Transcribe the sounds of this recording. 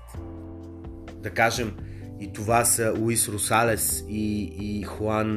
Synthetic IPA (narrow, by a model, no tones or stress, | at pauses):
d̪ɐkaʒɛm | it̪ovasɐlˠuisɾosalɛsiːxwan